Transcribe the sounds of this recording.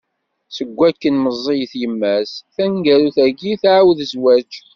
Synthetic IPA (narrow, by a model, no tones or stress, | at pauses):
səɡʷːækːənməzˤːijθjəmːæsθænɡæɾuθæɡiθʕawðəzwæt͡ʃ